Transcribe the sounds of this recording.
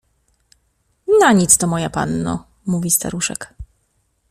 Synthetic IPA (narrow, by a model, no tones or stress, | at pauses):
naɲit̪st̪ɔmɔjapa̰nːɔ̰ | muvʲist̪a̰ɾuʂɛ̰k